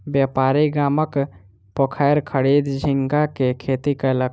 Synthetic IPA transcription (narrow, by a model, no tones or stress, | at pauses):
bjapaːɾiɡaːmək | pəkʰajɾkʰəɽid̪d͡ʒʱiŋɡakekʰet̪ikalə